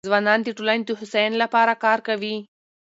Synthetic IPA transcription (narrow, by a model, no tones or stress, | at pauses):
ʋanaːnt̪iʈulanʲt̪uɦʊsɛjnlapaːɾakaːɾkɐʋiː